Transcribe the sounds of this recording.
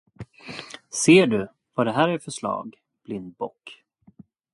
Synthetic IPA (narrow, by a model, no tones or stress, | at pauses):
seːɖɵ | vaɖɛɦæːɾæɾfœʂlɑ̰ːɡ | b̥lɪnd̪̚bɔkː